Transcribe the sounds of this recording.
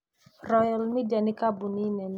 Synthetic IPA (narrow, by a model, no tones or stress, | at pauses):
rɔjalmidianikabuninɛn